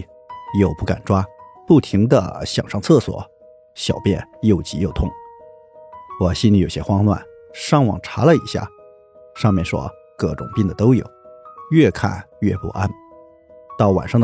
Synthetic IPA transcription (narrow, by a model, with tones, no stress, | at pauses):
jo˥˧ʊpu˥˩ka̰˨˩nʈ͡ʂwa˥pu˥˩t̪ʰi˧˥ŋd̪ə̰˧ɕjɑ̰˨˩ŋʂɑ˥˧ŋt͡sʰɤ˥˩swɔ̰˨˩˦ | ɕjɑ˨˩ʊpjɛ̰˥˧njo˥˩ʊt͡ɕi˧˥jo˥˧ʊt̪ʰʊ˥˩ŋ | wɔ˨˩ɕi˥nli˨˥jo˨˩ɕjɛ˥xwɑ˥ŋnwa̰˥˩n | ʂɑ˥˩ŋwɑ̰˨˩ŋʈ͡ʂʰa˧˥lə˧ḭ˨˩ɕja̰˥˩ | ʂɑ˥˧ŋmjɛ˥˩nʂwɔ̰˥ | kɤ˥˩ʈ͡ʂʊ̰˨˩ŋpi˥˩nd̪ə˩t̪o˥ʊjo̰˨˩˦ʊɥɛ˥˧kʰa̰˥˧nɥɛ˥˧pṵ˥˩ʔa˥n | t̪ɑ˥˩ʊwa̰˨˩nʂɑ˥˧